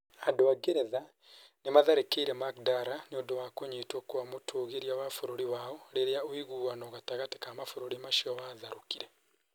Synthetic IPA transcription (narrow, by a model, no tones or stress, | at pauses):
adoaɡeɾɛða | nemaðaɾekeiɾɛmakdaɾaneoːndowaːkoɲeːtwɔkwamotʰoːɣeɾiawafoɾoɾiwaːɔɾeɾeaoiɣuːɣanɔɣataɣate̥kamafoɾoɾimaʃiɔwaːðaɾokiɾɛ